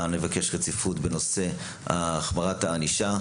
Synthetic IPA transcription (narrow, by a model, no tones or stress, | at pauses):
nevake̞ʃʁet͡sifutbeno̞se̞ | ha̰ːχmaʁataːniʃa